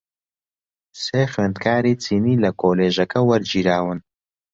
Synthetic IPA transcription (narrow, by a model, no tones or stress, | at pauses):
seːxeːnd̪kʰaːɾiːt͡sʰiːniːlɐkʰoːleːʒɐkɐwɐɾd͡ʒiːɾaːwɨn